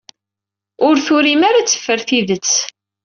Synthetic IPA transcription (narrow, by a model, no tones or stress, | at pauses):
ʊɾθʊɾimaɾat͡sːə̥fːəɾθiðət͡sː